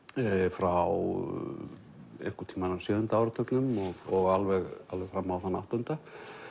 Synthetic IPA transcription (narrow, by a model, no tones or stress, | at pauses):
fɾaw | ḛjŋ̥kʏ̥t̪ʰiːmanasjœːðʏnt̪aawɾʏt̪ʰœknʏmɔɣɔɣalvɛɣa̰lvɛɣfɾamːawθanːa̰wht̪ʏnt̪a